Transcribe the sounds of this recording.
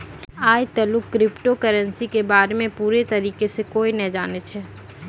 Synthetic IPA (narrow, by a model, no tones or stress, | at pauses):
aːjt̪ɐlʊkːɾɪpʈokəɾə̃nsikebaːɾemẽpuːɾet̪ɐɾiːkesekoːinɐɦid͡ʒaːnet͡ʃʰɛː